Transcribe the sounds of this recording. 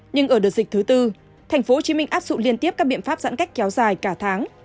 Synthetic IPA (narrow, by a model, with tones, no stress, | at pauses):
ɲɨ˧ŋʔəː˧˩ɗɨ˨˩ət̚zï̟˨˩t̪ʰɨ˨˦t̪ɨ˧ | t̪ʰɛ˨˩jŋ̟fo˨˦ho˧˩t͡ɕi˨˦mï˧ŋ̟ʔaː˦˥p̚zʊ̰˧˨ŋ͡mli˧ənt̪i˦˥əp̚kaː˦˥ɓḭ˧˨ənfaː˦˥p̚z̥a̰˧˥nka˦˥j̟kɛ˨˦wzaː˨˩jkaː˧˩t̪ʰaː˨˦ŋ